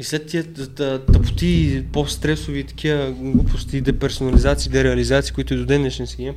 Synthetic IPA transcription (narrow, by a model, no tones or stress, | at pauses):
islɛt̪ːiəət̪ɐpʊ̥t̪ipost̪ɾɛsʊviːt̪ɐ̥k̟ʰiəɡlˠupʊst̪id̪ɛpɛɾsonɐlizat̪sid̪ɛɾɛɐlizat̪siːkoit̪ʊɛd̪od̪ɛnɛʃɛnskʲə